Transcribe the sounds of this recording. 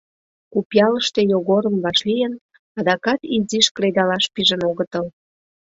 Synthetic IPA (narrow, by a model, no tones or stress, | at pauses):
kupjɑləʃt̪ejoɣoɾəmβɑʃlijən | ɑd̪ɑkɑt̪iziʃkɾed̪ɑlɑʃpiʒənoɣət̪əl